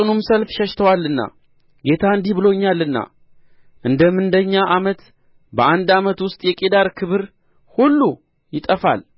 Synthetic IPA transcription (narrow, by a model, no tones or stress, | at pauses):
ɨnumsəlfʃəʃt̪ʰəwalːɨnːa̰ | ɡe̞t̪ʰaɨnd̪ibɨlo̞ɲːalːɨnːa̰ | ʔɨnd̪əmɨnd̪əɲːaʔamət̪ | bəʔand̪amət̪wʊst̪ʼjɛkʼed̪aɾkʰɨβɨɾ | hulːu | jɪt̪ʼəfa̰l